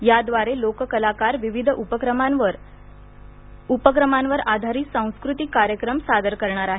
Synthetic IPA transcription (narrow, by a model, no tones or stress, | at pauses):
jad̪ʋaɾelokəkəlakaɾʋiʋid̪ʱʔupəkɾəmaʋəɾ | upəkɾəmanʋəɾad̪ʱaɾiːsãw̃skɾut̪ikːaɾjəkɾəmsad̪əɾkəɾɳaɾaɦe